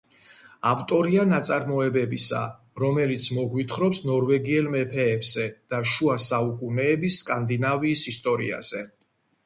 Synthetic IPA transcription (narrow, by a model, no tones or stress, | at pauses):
aft̪ʼɔɾianat̪sʼaɾmɔɛbɛbisa̰ | ɾɔmɛlit̪sʰmɔɡwit̪ʰχɾɔpsnɔɾvɛɡiɛlmɛpʰɛːbz̥ɛd̪̥aʃuasaukʼunɛːbisːkʼand̪inaviːsist̪ʼɔɾḭa̰z̥ɛ